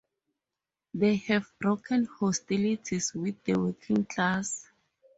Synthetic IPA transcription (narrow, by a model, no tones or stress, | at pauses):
dehɛvbrokʰɛ̃nhɔstilitʰiswiθdəwekʰĩŋkʰlas